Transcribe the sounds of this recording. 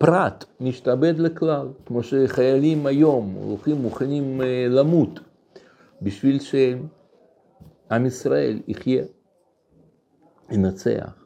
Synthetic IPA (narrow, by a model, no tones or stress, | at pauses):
pɾat̪miʃt̪abe̞d̪leklalkmoʃeχajalimajo̞mlo̰χimːuχanimlamut̪ | biʃvilʃeem | amisɾaḛliχje | inat͡sḛa̰χ